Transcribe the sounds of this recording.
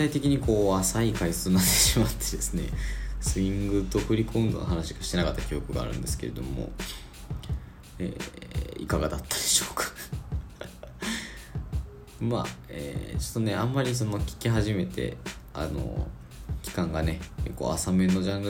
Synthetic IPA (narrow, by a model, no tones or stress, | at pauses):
t̪ait̪e̞kʲiɲ̟iko̞ːasaikaist͡sɨːnat̪ːe̞̥ɕimat̪ʰːe̞d̪e̞sɨne̞̰sɨĩŋɡɯ̟t̪o̞ɸɯ̟ɾʲikõ̞nd̪onoɦanaɕi̥ɡaɕi̥t̪e̞nakat̪ːḁkʲijo̞kɯ̟ɡa̰ːɾɯ̟̃nd̪e̞sɨ̥ke̞ɾe̞d̪o̞̰mo̞̰ | ḛːḭkaɡad̪at̪ːad̪e̞ɕoːkḁ | ma̰ḛːt͡ɕo̞t̪ːo̞ne̞ãmːaɾʲis̬o̞no̞kʲi̥kʲiɦaʑime̞t̪e̞̰ | a̰no̰ | kʲi̥kãŋɡane̞ko̞̰ːasame̞no̞ʑãŋɡɯ